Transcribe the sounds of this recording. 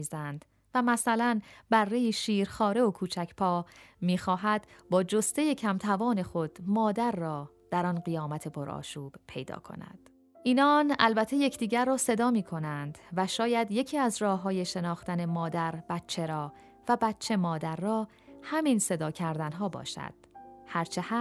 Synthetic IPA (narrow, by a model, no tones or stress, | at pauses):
iːzænd̪̥ | væmæsælænbærːejiʃiːɾxɒːɾe̞okʰuːt͡ʃʰæcʰpʰɒːmiːxɒːɦæd̪̥bɒːd͡ʒo̞st̪e̞je̞cʰæmt̪ʰævɒːne̞xo̞d̪̥mɒːd̪æɾːɒː | d̪̥æɾɒnɢijɒːmæt̪ʰe̞pʰo̞ɾɒ̰ːʃuːb̥pʰe̞̰jd̪ɒ̰ːkʰo̞̰næ̰d̪̥ | ʔiːnɒːnælbæt̪ʰːe̞je̞cʰd̪iːɟæɾːɒːse̞d̪ɒːmiːkʰo̞nænd̪̥væʃɒːjæd̪je̞cʰiːæzrɒːɦɒːje̞ʃe̞nɒːxt̪æne̞mɒːd̪æɾb̥æt̪t͡ʃʰe̞ɾɒː | væbæt̪t͡ʃʰːe̞mɒːd̪æɾːɒː | hæminse̞d̪ɒːcʰæɾd̪ænɦɒːbɒ̰ːʃæ̰d̪̥hæɾt͡ʃʰehæ